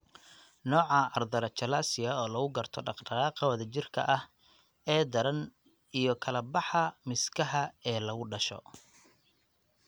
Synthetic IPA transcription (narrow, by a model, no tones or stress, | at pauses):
nɔːʕɑʔɐrd̪ɐɾɐt͡ʃʰɐlaːsɪjɐɔːlɐɣʊɡɐrt̪ʰɔɖɑqɖɐɾaːqɐwɐðɐt͡ʃɪrkʰɐ̰ʔɐh | ɛːd̪ɐɾɐn | ijɞkʰɐlɐbɑħɐmɪskʰɐɦɐɛːlɐɣʊɖɐʃɔ̰